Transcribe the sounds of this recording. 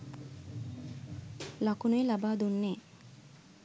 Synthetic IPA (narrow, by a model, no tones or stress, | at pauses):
lakonojlabaːd̪unːe